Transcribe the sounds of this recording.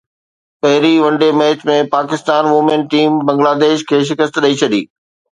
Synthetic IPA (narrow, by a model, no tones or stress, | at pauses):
pɐɦɪɾiʋɐ̃ɳɖemeːt͡ɕmẽpaːkɪst̪aːnʋʊmẽɳʈiːmbɐ̃ŋɡlaːd̪eːʃkʰeːʃ̬ɪkəst̪ɗɐit͡ɕʰɐɗḭː